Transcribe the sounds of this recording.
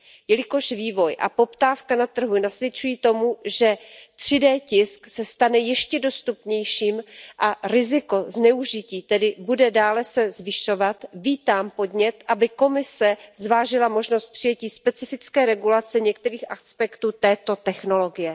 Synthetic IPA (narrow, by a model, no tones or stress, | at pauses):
jɛlɪko̞ʃviːvo̞jʔa̰po̞pt̪aːfkanat̪r̩ɦunasvjɛt͡ʃujiːt̪o̞muʒɛt̪r̝̥ɪdɛːcɪsksɛst̪anɛjɛʃcɛdo̞st̪upɲɛjʃiːmʔaɾɪzɪko̞znɛuʒɪciːt̪ɛdɪbudɛdaːlɛsɛzvɪʃo̞vat̪viːt̪aːmpo̞dɲɛt̪ʔabɪko̞mɪsɛzvaːʒɪlamo̞ʒnost̪̚pr̝̥ɪjɛciːspɛt͡sɪfɪt͡skɛːɾɛɡulat͡sɛɲɛkt̪ɛɾiːxʔaspɛkt̪uːt̪ɛːt̪o̞t̪ɛxno̞lo̞ɡɪjɛ